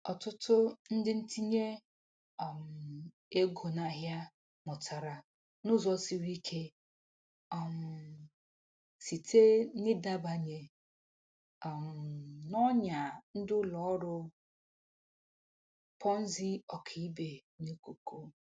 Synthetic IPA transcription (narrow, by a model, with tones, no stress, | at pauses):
ɔ˨tʊ˦tʊ˦n̩˦dɪ˦n̩˦ti˦ɲe˦ | ɔ˨m˨ | e˦ɡo˨na˨ɦja˦ | mʊ˨tʰa˨ɾa˨ | nʊ˦zɔ˦si˨ɾi˦kʰe˦ | ɔ˨m̩˨ | si˨tʰe˦nɪ˦da˦ba˨ɲe˨ | m̩˨nɔ˦ɲa˨n̩˦dʊ˦lɔ˨ɔ˦ɾʊ˦ | pʰɔ˦n̩˦zi˦ɔ˨kʰi˨i˦be˨ | ne˦ko˨ko˦